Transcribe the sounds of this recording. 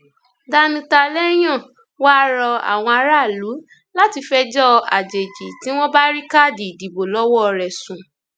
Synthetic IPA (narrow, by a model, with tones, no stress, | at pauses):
da˦nũ˧ta˧lɛ˦j̃ɔ̃˦˨ | wa˦ɾɔ˧a̰˨w̃ɔ̃˧a˧ɾa˦˨lu˨˦ | la˦ti˧fɛ˦d͡ʒɔ˦a˨d͡ʒe˨d͡ʒi˨tĩ˨˦w̃ɔ̃˦ba˦ɾi˦ka˦˨di˨di˨bo˨lɔ˦wɔ˦˧ɾɛ˨sũ˨